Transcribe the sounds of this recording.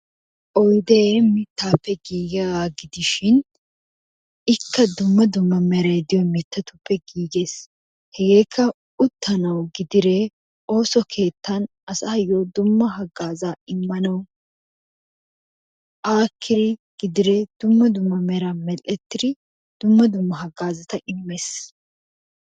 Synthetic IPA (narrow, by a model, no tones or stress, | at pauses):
ʔɔjd̪emɪt̪ːaːpːɛɡiːɡɐɡaɡɪd̪ɪʃɪn | ɪkʰːɐd̪ʊmːɐd̪ʊmːɐmɛɾɐd̪ɪjɔmɪt̪ːɐt̪ʊpːɛɡiːɡe̞ːs | hɛɡe̞ːkʰːɐ | ʊt̪ːɐnɐwɡɪd̪ɪɾe | o̞ːsɔkʰe̞ːt̪ːɐn | ɐsɐɐjoːd̪ʊmːɐɦɐɡaːzaːɪmːɐnɐw | ʔaːkʰːɪɾɪɡ̥ɪd̪ɪɾed̪̥ʊmːɐd̪ʊmːɐmɛɾɐmɛlːɛt̪ːɪɾɪ | d̪̥ʊmːɐd̪ʊmːɐɦɐɡaːzɐt̪ɐʔɪmːes